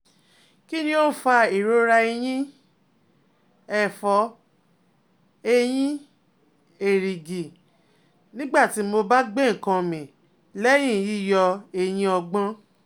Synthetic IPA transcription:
ki˦nĩ˦o˦fa˧i˨ɾo˦ɾa˧i˧j̃ĩ˦ | ɛ˦˨fɔ˧˦ | e˧j̃ĩ˦ | e˨ɾi˨ɡi˨ | nĩ˦ɡ͡ba˦˨ti˨˦mo˧ba˦ɡ͡be˦˨ŋ̩˨kã˧mĩ˨ | lɛ˦j̃ĩ˦˨ji˦˨jɔ˧e˧j̃ĩ˦ɔ˧ɡ͡bã˦

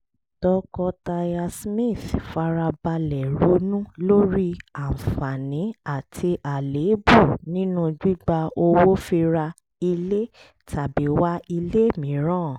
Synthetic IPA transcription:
tɔ˧kɔ˧ta˧ja˧smi˦˨θfa˧ɾa˧ba˧lɛ˨ɾu˨˦nũ˦lo˦ɾi˦a˨fa˨nĩ˨˦a˦˨tʰi˧ʔa˨le˨˦bu˦˨nĩ˦nũ˦d͡ʒu˦ɡ͡ba˧o˧wo˦fi˧ɾa˧ | i˧le˦ | ta˨bi˨˦wa˦i˧le˦mĩ˨˦ɾãː˦˨

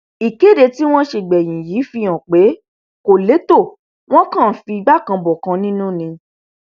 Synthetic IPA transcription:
i˨ke˨˦˨de˧ti˦w̃ɔ̃˦ʃe˧˨ɡ͡bɛ˨j̃ĩ˨ji˨˦fi˧j̃ɔ̃˨k͡pe˨˦ | ko˨le˨˦to˦˨ | w̃ɔ̃˦kã˦˨fi˧i˧ɡ͡ba˦˨kã˧bɔ˨kã˧nĩ˦nũ˦˨nĩ˧

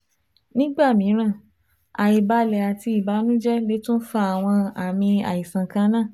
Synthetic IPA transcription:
nĩ˦ɡ͡ba˦˨mĩ˨˦ɾ̃ã˦˨ | a˨i˨ba˧lɛ˨a˨ti˧i˨ba˨˦nũ˦d͡ʒɛ˦le˨˦tũ˦n̩˦fa˦a˨w̃ɔ̃˧a˨mĩ˧a̰˨i˨sã˨kã˧nãː˦˨

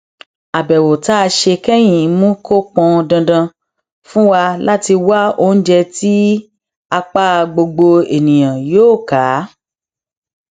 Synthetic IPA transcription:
a˨bɛ˨wo˨ta˦˧ʃe˧kɛ˦j̃ĩ˨˦mũ˦kʰo˦k͡pɔ̃˧dã˧dã˧ | fũ˦wa˧la˦ti˧wa˦o˦n̩˦d͡ʒɛ˧ti˦ | a˧k͡pa˦˧ɡ͡bo˧ɡ͡bo˧e˨nĩ˨j̃ã˨joː˦˨kaː˨˦

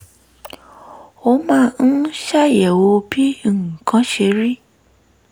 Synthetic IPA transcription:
o˦mãː˦˧n̩˦ʃa˦˨jɛ˨wo˧bĩ˦˨kʰã˦ʃe˧ɾi˦

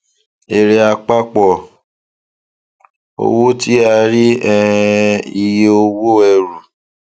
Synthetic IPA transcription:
e˨ɾe˧a˧k͡pa˦k͡pɔ˨ | o̰˧wo˦ti˦a˧ɾi˦ɛ˦˧ | i˧je˦o˧wo˦ɛ˧ɾu˨

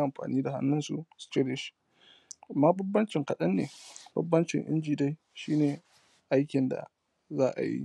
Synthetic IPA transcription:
ʔa˨mɸa̰ː˨niː˦da˨ha̰˦nːʊ˦nsṵ˦st͡ʃe˦de˨ʃi̥˦ | a˨mːaː˦bɐ˦bːɐ˦nt͡ʃɪ˨ŋkɐ˨ɗɐ˦nːḛː˨bʊ̰˦bːɐ˦nt͡ʃɪ̰˨ŋʔɪ̰˦nd͡ʒiː˨da˦j | ʃiː˦neː˨ | ʔa˦jkʲɪ˨nda̰˨ | zaː˦ʔa̰˨jḭ˦

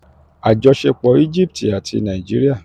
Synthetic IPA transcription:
a˨d͡ʒɔ˧ʃe˧k͡pɔ˨˧˦i˦d͡ʒi˦p̚ti˨a˨tʰi˧nã˨ĩ˨d͡ʒi˦ɾi˦a˦˨

